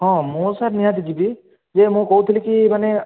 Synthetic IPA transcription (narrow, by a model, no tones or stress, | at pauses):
hɔ̃mʊ̃saɾnijãd̪iɡibi | zɛmʊ̃kowt̪ʰilikimanɛ